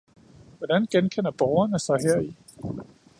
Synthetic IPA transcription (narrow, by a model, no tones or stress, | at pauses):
ʋɒd̥ænɡ̥enkʰen̰ɐb̥ɒʊɐnəsɑ̈ɪɦɛɐ̰i